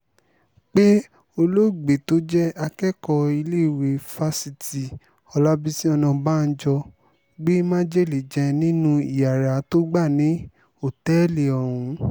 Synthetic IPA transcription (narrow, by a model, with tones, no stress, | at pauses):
k͡pe˦ | o˧lo˦˨ɡ͡be˨to˨˦d͡ʒɛ˦a˧kɛ˦kɔ˧i˧le˦˨we˨fa˧si˨ti˨ | ɔ˧la˦bi˦sĩ˦ɔ˧nɔ̃˧ba˦˨n̩˦d͡ʒɔ˧ | ɡ͡be˦mã˦d͡ʒɛ˦˨li˨d͡ʒɛ̃˧nĩ˦nũ˦i˦˨ja˨ɾa˨˦to˦ɡ͡ba˦˨nĩ˨˦ | o˦˨tɛ˦li˨ɔ˨ɾ̃ũ˧